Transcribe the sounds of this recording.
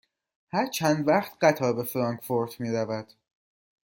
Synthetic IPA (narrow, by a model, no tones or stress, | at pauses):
hæɾt͡ʃʰænd̪væχt̪ɢæt̪ʰɒːbe̞fɾɒːŋkfoɾt̪ʰmiːɾævæd̪̥